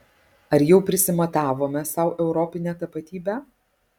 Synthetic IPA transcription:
ɐɾjɛʊpʲɾʲɪsʲɪmɐt̪ɑːʋoːmʲɛsɐʊʔɛʊɾɔpʲɪnʲæːt̪ɐpɐt̪ʲiːbʲæː

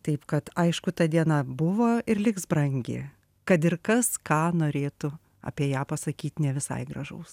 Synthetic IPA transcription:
t̪ɐɪpkɐt̪ɐɪʃkʊt̪ɐd̪ʲiɛnɐbʊʋoːɪrlʲɪksbɾɐŋʲɡʲɪ̰ | kɐt̪ɪrkɐskɑːnoːɾʲeːt̪ʊ | ɐ̰pʲiɛjæːpɐsɐkʲiːt̪nʲɛʋʲɪsɐ̰ɪɡrɐ̰ʒɐ̰ʊs

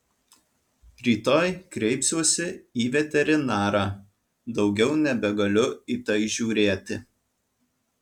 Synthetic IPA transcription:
ɾʲiːt̪oːjkɾʲɛɪpsʲuɔsʲɪiːʋʲɛt̪ʲɛɾʲɪnɑːɾɑː | d̪ɒʊɡʲɛʊnʲɛbʲɛɡɐlʲʊiːt̪ɐɪʒʲuːɾʲeːt̪ʲɪ

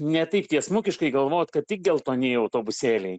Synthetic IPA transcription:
nʲɛt̪ɐɪpt̪ʲiɛsmʊkʲɪʃkɐɪɡɐlˠʋoːjot̪kɐt̪̚tʲɪk̚d̪ʲɛːlˠt̪oːnʲeːɪɐʊt̪oːbʊsʲeːlʲɛɪ

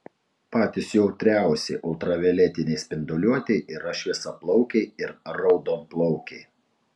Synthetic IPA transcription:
pɑːt̪ʲɪsjɛʊt̪ʲɾʲæˑʊsʲɛɪʔʊlˠt̪ɾɐʋʲɛlʲɛt̪ʲɪnʲɛɪsʲpʲɪnd̪ɔlʲuɔt̪ʲɛɪʔɪɾɐʃʲʋʲɪsɐplˠɔʊkʲɛɪɪɾɾɒʊd̪oːmplˠɔʊkʲɛɪ

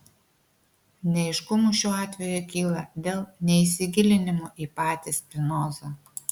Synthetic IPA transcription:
nʲɛɪʃkʊmuʃʲuːɑːt̪ʲʋʲɛjukʲiːlˠɐd̪ʲeːlˠnʲɛɪsʲɪɡʲɪlʲɪnʲɪmoʔiːpɑːt̪ʲɪspʲnɔːzɐː

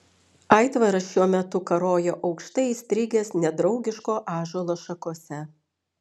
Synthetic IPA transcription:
ɑˑɪt̪ʋɐɾɐʃʲuɔmʲɛt̪ʊkɐɾoːjoːʔɒʊkʃt̪ɐɪisʲt̪ʲɾʲɪɡʲeːsnʲɛd̪ɾɒʊɡʲɪʃkoːʔɑːʒolˠoːʃɐkoːsʲɛ

